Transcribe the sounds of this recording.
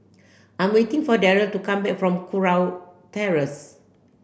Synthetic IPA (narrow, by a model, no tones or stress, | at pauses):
ʔãj̃mwetĩŋfɔdɛɹətukãmbɛk̚fɹɔ̃mkʰuɹawtɛɹəs